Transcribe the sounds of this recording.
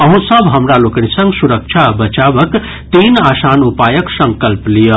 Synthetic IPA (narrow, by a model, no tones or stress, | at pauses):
ʌɦũsʌbʱɦʌmɾaloknisʌŋɡsuɾək̚t͡ʃʰabʌt͡ʃabʌk | t̪inasanupajʌksʌŋkəlplijə